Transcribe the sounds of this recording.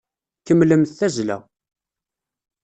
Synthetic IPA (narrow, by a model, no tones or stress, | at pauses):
kəmːləmθθæzlæ̰